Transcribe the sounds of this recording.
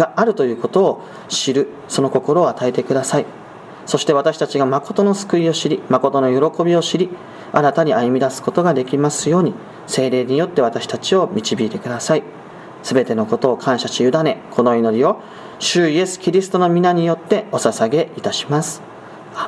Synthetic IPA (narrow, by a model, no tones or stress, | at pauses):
ɡaʔaɾɯ̟t̪o̞jɯ̟ːko̞t̪o̞ː | ɕiɾɯ̟ | so̞no̞ko̞ko̞ɾo̞ːat̪ae̞t̪e̞kɯ̟d̪asai | so̞ɕi̥t̪e̞βat̪aɕi̥t̪at͡ɕiɡamako̞t̪o̞no̞sɨ̥kɯ̟io̞ɕiɾʲimako̞t̪o̞no̞jo̞ɾo̞ko̞bʲio̞ɕiɾʲi | aɾat̪aɲ̟iajɯ̟mʲid̪asɨ̥ko̞t̪o̞ɡad̪e̞kʲimasɨjo̞ːɲ̟i | se̞ːɾe̞ːɲ̟ijo̞t̪ːe̞βat̪aɕi̥t̪at͡ɕio̞mʲit͡ɕibʲiːt̪e̞kɯ̟d̪asai | sɨbe̞t̪e̞no̞ko̞t̪o̞ːkʰãɰ̃ɕaɕijɯ̟d̪ane̞kʰo̞no̞ino̞ɾʲio̞ | ɕɨije̞sɨ̥kʲiɾʲisɨ̥t̪o̞no̞mʲinaɲ̟ijo̞t̪ːe̞o̞sasaɡe̞it̪aɕi̥masɨ̥